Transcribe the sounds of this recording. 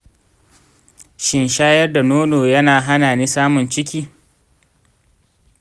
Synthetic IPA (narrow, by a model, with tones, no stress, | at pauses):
ʃɪ˨nʃaː˦jɐ˦rda˨noː˦noː˨jɐ˦naː˨ɦa˦naː˨niː˦saː˦mʊ˨nt͡ʃɪ˦kʲiː˦